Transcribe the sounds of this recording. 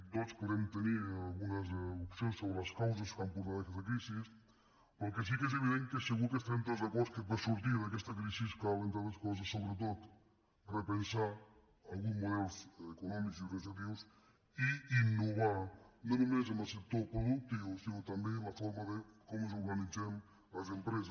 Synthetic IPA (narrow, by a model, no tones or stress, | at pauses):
nɔspoðemt̪eniɾalˠɣunɐzupsjõnsoβɾɐskaws̬ɐskampuɾt̪aðɐkɛst̪ɐk̬ɾisis | poɾkes̬ikɛz̬eβiðẽnt̪̚keseɣuɾkest̪ɾẽnt̪ozɐkoskepesuɾt̪̬iɾðɐkɛst̪ɐkɾisiskalẽnt̪aðɐskos̬ɐsːoβɾet̪̬ot̪ | repensaɾ | alɣũzmuðelsekunɔmiksz̬iuɾɣanis̬at̪̬iws | iinːuβaɾnõnumez̬emɐset̪oɾpɾoðuk̚t̪iβusinot̪ambelɐfoɾmɐðekɔmozuɾɣanizem | ɐzempɾes̬ɐ